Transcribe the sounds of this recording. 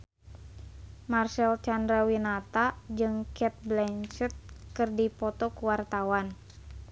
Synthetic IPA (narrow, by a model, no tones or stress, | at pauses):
marsɛlt͡ʃandɾawinat̪ad͡ʒɨŋkɛt̪̚blɛnt͡ʃət̪̚kɨrdipɔt̪ɔkuwart̪awan